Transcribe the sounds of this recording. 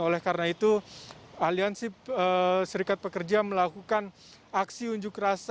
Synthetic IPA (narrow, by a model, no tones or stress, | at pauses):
olɛhkaɾənait̪u | aliansɪəsəɾikat̪̚pəkərd͡ʒaməlakukan | aksiuɲd͡ʒʊkras